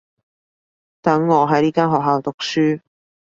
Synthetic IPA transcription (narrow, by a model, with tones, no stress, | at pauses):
t̪ɐ˨˥ŋːɔː˨˧ɦɐ˨˥jliː˥kaː˥nɦɔː˨k̚ɦaː˨˧wt̪ʊ˨k̚syː˥